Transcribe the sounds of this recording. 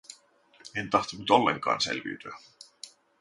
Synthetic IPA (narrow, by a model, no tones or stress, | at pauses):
e̞nt̪ɑht̪unːyt̪o̞lːe̞̰ŋkɑ̰ːnse̞̰lʋḭːt̪yæ